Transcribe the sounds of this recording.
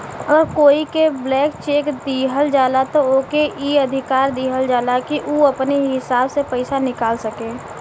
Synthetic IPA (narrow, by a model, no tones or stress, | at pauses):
ɐɡəɾkoːikeblɛːkt͡ʃeːkd̪iːɦəld͡ʒaːlat̪ooːkeʔiːɐd̪ʱɪkaːɾd̪iːɦəld͡ʒaːlakiʔuɐpneɦɪsaːbsepəɪsanɪkaːlsɐkẽː